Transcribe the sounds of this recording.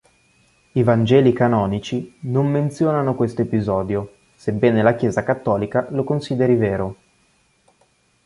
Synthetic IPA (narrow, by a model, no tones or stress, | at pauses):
ivand͡ʒɛːlikanɔːnit͡ʃinomːent̪sjoːnanokwest̪oepizɔːd̪jo | sebːɛːnelakjɛːzakat̪ːɔːlikalokonsiːd̪eɾiveːɾo